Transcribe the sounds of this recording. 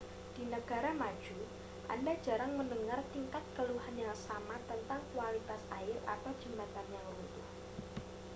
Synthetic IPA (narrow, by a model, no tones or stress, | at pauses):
d̥inəɡ̥aɾamḁd͡ʒ̥u | ʔa̰ndad͡ʒaɾaŋməndəŋart̪iŋkat̪̚kəluɦanjaŋsamat̪ənt̪aŋkwalit̪asʔaɪra̰t̪awd͡ʒəmbat̪anjaŋrut̪ʊh